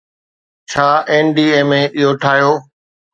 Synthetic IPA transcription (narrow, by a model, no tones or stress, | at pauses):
t͡ɕʰaːeːnɖiːeːmẽɪɦoʈʰaːɦijoː